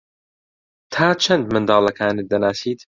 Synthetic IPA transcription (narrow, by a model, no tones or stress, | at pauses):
t̪ʰaːt͡ʃʰɐnd̪mɨnd̪ɑːlˠɐkʰaːnɨt̪̚d̪ɐnaːsiːt̪